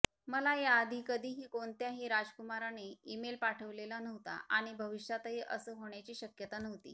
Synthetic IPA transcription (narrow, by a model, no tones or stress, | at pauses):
məlajaəd̪ʱiːkəd̪ʱiːɦiːkoɳt̪jaɦiːɾad͡zkumaɾaneimelpaʈʰəʋlelanəɦʋt̪a̰ʔaɽ̃ibʱəʋiɕjat̪əɦiʔəsəːɦoɳjat͡ɕiːɕəkjət̪anəɦt̪ḭː